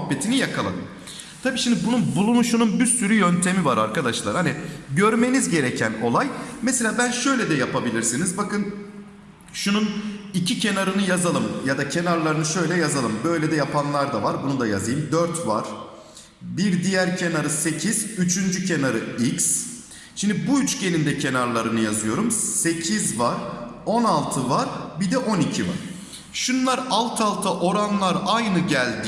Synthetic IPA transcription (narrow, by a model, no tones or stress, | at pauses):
bːe̞t̪ʰinijakʰalˠa̰d̪ɯ̰m | t̪ʰabiːʃimd̪ibununbulˠunʃununbysyɾyjønt̪ʰe̞mivaɾa̰ɾkad̪aʃlˠa̰ɾhaniɟøɾme̞nizɟe̞ɾecʰæno̞̰lˠajmese̞lʲaːbænʃø̞jlʲɛd̪ɛjapabilʲiɾsinizbakɯn | ʃununicʰicʰe̞naɾɯnɯjazalˠɯmjad̪acʰe̞naɾlˠaɾɯnɯʃø̞jlʲɛjazalˠɯmbø̞jlʲed̪ɛjapʰanlˠaɾd̪avaɾbunud̪aja̰zɯjɯmd̪øɾt̪va̰ɾ̥ | biɾd̪ijæɾcʰe̞naɾɯse̞cʰizyt͡ʃʰynd͡ʒycʰe̞naɾɯics | ʃind̪ibuyt͡ʃɟe̞nind̪ɛcʰe̞naɾlˠaɾɯnɯjazɯjo̞ɾumse̞cʰizvaɾo̞nalˠt̪ʰɯvaɾbid̪ɛʔo̞nicʰiva̰ɾ̥ | ʃunlˠaɾalˠt̪ʰalˠt̪ʰaʔo̞ɾanlˠaɾajnɯɟælʲd̪